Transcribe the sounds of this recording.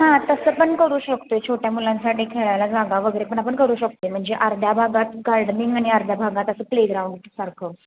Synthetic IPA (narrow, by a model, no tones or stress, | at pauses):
ɦãt̪əsəpəɳkəɾuːɕəkt̪oet͡ɕʰoʈjamulãnsaʈiːkʰeɭajlad͡zaɡaʋəɡəjɾepəɳapəɳkəɾuːɕək̚t̪ojm̤əɳd͡zeʔaɾd̪ʱjabʱaɡat̪ɡaɾɖniŋɡaɽ̃iaɾd̪ʱjabʱaɡat̪əsəːpleɡɾauɳɖsaɾkʰə